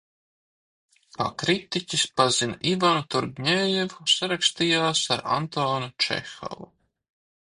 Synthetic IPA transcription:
pa̰kɾit̪icʲispazinaʔivanut̪uɾɡɲeːjɛvusaɾakst̪ijaːsaɾa̰nt̪oːnut͡ʃɛ̰xɔ̰vu

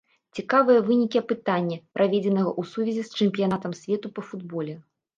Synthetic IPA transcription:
t͡sʲikavɨjɐvɨnʲikʲiɐpɨt̪anʲːɐpɾʔavʲed͡zʲɛn̪ɐɣɐʔusuvʲɛzʲist͡ʂɛmʲpʲijanat̪ɐmsʲvʲɛt̪upɐfud̪bɔlʲɛ

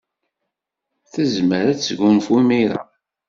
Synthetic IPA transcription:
θəzməɾæt͡sːɡʊnfwimiɾa̰

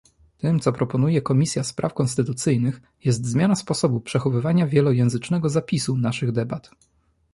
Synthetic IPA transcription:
t̪ɘmt̪sɔpɾɔpɔnujɛkɔmʲisʲjaspɾa̰fkɔnst̪ɘt̪ut̪sɘjnɘx | jɛs̬t̪zmʲjanaspɔsɔbupʂɛxɔvɘvaɲavʲjɛlɔjɛ̃w̃zɘt͡ʂnɛɡɔzapʲisunaʂɘɣd̪ɛbat̪

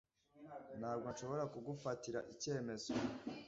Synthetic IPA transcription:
n̥haːbɡonʃo̞βo̞ɾakuɡufatiɾa̰ʔice̞ːme̞zo

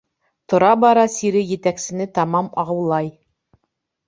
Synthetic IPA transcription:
t̪ŏɾɑbɑɾɑsiɾɘjɘ̆t̪æksɘ̆nɘt̪ɑmɑmɑʁɤ̆wlˠɑj

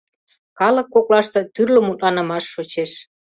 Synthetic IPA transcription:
kɑlə̆kːoklɑʃt̪ɤ̆t̪yrlə̆mut̪lɑnə̆mɑʃːot͡ɕeʃ

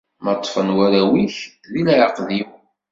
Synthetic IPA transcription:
mət̪ˤːfənwæɾæwiç | ðilʕəqðuw

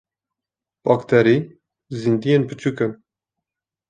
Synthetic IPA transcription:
b̥ɑkt̪ʰɛɾi | zind̪ijenpɨt͡ʃʰukɨn

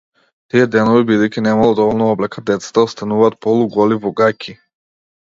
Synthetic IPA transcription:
t̪ijɛd̪ɛnɔvibid̪ɛjcinɛmalˠɔd̪ɔvɔlˠnɔɔblɛkad̪ɛt̪sḁt̪aɔst̪anuvaːt̪̚pɔlˠuɡɔlibɔɡakʲʰi

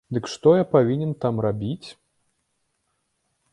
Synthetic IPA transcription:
d̪ɨkʂt̪ɔjapavʲinʲɛnt̪amrabʲit͡sʲ

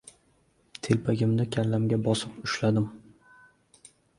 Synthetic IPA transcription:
t̪ʰelpʰaɡʲɪmd̪akʲʰalːamɡʲabɒsɪpʊʃlad̪ɪm

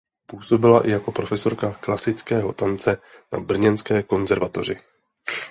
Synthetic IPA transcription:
puːso̞bɪlaʔɪjako̞pɾo̞fɛso̞ɾkaklasɪt͡skɛːɦo̞t̪ant͡sɛnabr̩ɲɛnskɛːko̞nzɛɾvat̪o̞r̝ɪ

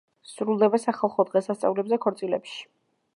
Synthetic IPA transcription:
sɾulˠd̪ɛbasaχalˠχɔd̪ʁɛsast̪sʼa̰vlɛbzɛkʰɔɾt̪sʼilɛpʃi̥

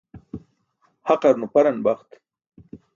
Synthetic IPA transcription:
haqaɾnupaɾanbaχt̪

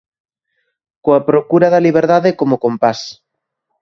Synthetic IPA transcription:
koapɾokuɾaðɐliβ̞eɾðaðekomokompas

